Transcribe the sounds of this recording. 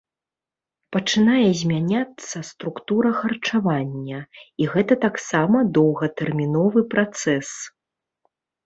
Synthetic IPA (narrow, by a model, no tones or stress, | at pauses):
pɐt͡ʂɨnajɛzʲmʲanʲat̪sːɐst̪ɾukt̪uɾɐxɐrt͡ʂavanʲːɐiɣɛt̪ɐt̪aksamɐd̪ɔwɣɐt̪ɛrmʲinɔvɨpɾat̪sɛs